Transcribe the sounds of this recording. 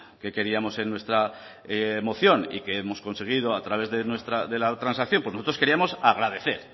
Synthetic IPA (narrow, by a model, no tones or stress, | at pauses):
ke̞ke̞ɾiamo̞se̞nːwe̞st̪ɾa | emo̞θjo̞nḭkeemo̞skonse̞ɣ̞iðo̞at̪ɾaβe̞zðe̞nwe̞st̪ɾaðe̞lat̪ɾansakθjompwenoso̞t̪ɾoske̞ɾiamo̞saɣ̞ɾaðe̞θe̞ɾ